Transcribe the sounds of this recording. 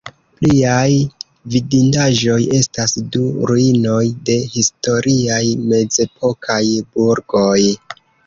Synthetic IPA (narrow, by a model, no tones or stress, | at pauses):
pliaj | vidindaʒo̞je̞stasduɾuino̞jde̞histo̞ɾʔiajme̞ze̞pʰo̞kʰajbuɾɡo̞j